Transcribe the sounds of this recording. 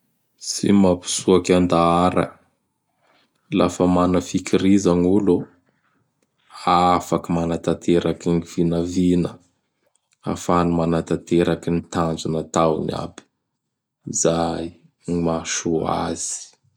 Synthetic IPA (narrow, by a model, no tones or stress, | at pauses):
sḭmapi̥suakʲand̪aaɾə̰ | la̰fəmanəfikiɾizanulo | afakimanat̪at̪ʰeɾakiniv̥inəvinə | a̰fanumanat̪at̪eɾakinit̪and͡ʒinət̪awnia̰bi̥ | izaji | maʃua̰z̥i̥